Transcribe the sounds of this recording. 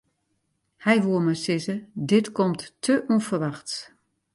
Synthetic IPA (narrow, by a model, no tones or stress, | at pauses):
hɛjʋoəmasɪzədɪtkɔmtːʰəʔufərʋaxts